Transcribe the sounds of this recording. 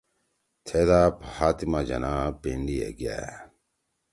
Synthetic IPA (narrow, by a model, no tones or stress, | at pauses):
t̪ʰeːd̪aːphaːt̪imaːd͡ʑɐ̰naːpeɳɖiḛɡija̰ː